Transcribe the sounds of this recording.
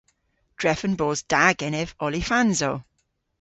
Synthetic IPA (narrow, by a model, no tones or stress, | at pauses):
d̥ɹɛfə̃nboːzd̥aɡɛnɛvɔlifãnzo